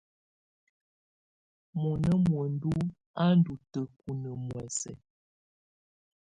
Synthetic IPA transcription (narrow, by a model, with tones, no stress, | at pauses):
mɔ˨nə˦mwə˨n˦du˦ | a˦n̩˦du˨tə˨ku˨nə˨mwɛ˨sɛ̰˨